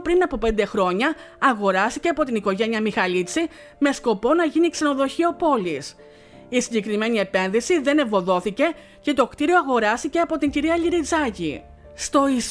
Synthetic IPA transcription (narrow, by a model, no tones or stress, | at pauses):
pɾinɐpope̞nd̪e̞xɾo̞ɲɐːɣo̞ɾɐst̪ice̞ɐpo̞t̪iniko̞ʝe̞niɐmixɐlit͡si | me̞sko̞po̞nɐʝinikse̞no̞ðo̞çiɐopo̞lis | isiɲɟe̞kɾime̞nie̞pe̞nðisiðe̞nevo̞ðo̞θice̞ | ce̞t̪o̞kt̪iɾioɐɣo̞ɾɐst̪ice̞ɐpo̞t̪iɲɟiɾiɐʎiɾid͡zɐcḭ | st̪o̞i